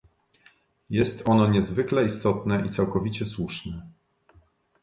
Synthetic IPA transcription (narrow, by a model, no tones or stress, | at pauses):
jɛst̪ɔnɔɲɛzvɘklɛist̪ɔt̪nɛʔit̪sawkɔvʲit͡ɕɛswuʂnɛ